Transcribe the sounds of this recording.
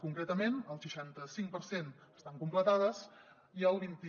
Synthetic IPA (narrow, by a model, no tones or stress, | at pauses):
kuŋkɾɛt̪əmenəlˠʃəʃant̪əsiŋpəɾsenəst̪aŋkumplət̪að̞əs | iəlˠβint̪